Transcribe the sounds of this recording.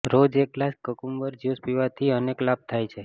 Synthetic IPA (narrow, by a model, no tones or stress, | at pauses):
ɾod͡ʒek̚ːlaskəkumʋəɾd͡ʒuspiʋat̪ʰiəneklab̚t̪ʰajt͡ʃʰe